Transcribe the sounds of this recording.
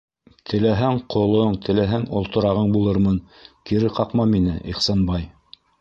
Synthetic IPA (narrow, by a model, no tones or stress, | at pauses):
t̪ʰɘ̆læɦæŋqŏlˠoɴt̪ʰɘ̆læɦæŋŏlˠt̪ŏɾɑʁɤɴbulˠɤɾmɤn | kiɾɘqɑqmɑminɘʔiχsɑnbɑj